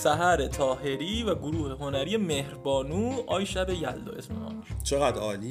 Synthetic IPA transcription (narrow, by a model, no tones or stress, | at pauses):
sæɦæɾet̪ʰɒːɦe̞ɾiːvæɡoɾuːhe̞ɦo̞næɾiːjemehɾbɒːnuːʔɒːjʃæbe̞jæld̪ɒ̰ːʔesmḛɒ̰ːnt͡ʃʰeɣæd̪ɒːli